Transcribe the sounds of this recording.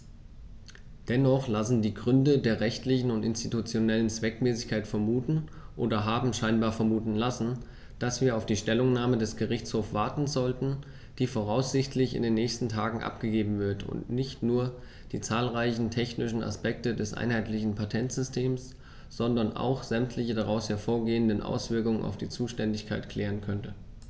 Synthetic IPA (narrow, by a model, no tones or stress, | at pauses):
d̥ɛnɔχlasn̩diːɡʁʏndədeːɐʁɛçtlɪçn̩ʊntɪnstitut͡sjonɛlənt͡sv̥ɛkmɛːsɪçkʰaɪtfɛɐmuːtn̩ʔoːdɐɦaːbm̩ʃaɪnbaːɐfɛɐmuːtn̩lasn̩ | d̥asv̥iːɐaʊfd̥iːʃtɛlʊŋnaːmədɛsɡ̥əʁɪçt͡shoːfv̥aɐtn̩zɔltn̩ | d̥iːfoʁ̞aʊsz̥ɪçtʰlɪçɪ̰ndeːnːɛːçstn̩tʰaːɡŋ̩ʔa̰pɡ̥əɡeːbm̩vɪɐtʊ̰ntnɪçtnuːɐ | d̥iːt͡saːlʁaɪçn̩tʰɛçnɪʃn̩a̰spɛk̚tədɛsʔa̰ɪnɦaɪtlɪçn̩pʰatʰɛntz̥ʏstʰeːms | z̥ɔndɐnʔa̰ʊxz̥ɛmtʰlɪçədaʁ̞aʊshɛɐfoːɐɡeːəndənʔa̰ʊsv̥ɪɐkʊŋənʔa̰ʊfd̥iːt͡suːʃtɛndɪçkʰaɪtkʰl̥ɛːʁ̞ənkʰœntə